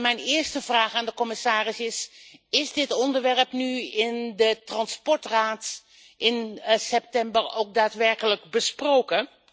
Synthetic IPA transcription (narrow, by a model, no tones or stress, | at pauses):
mɛjnɪːɹstəv̥raːχaːndəkɔmɪsaːrɪsɪsɪzdɪtɔndəɹʋɛɹəpnyɪndətrɑnspɔɹtraːt | ʔɪnsɛp̚tɛmbərowk̚daːtʋɛɹkələɡbəsprowkə